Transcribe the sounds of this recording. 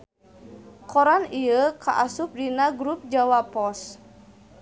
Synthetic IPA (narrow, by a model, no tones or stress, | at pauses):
kɔɾaniəkaʔasup̚dinaɡɾup̚d͡ʒawapɔs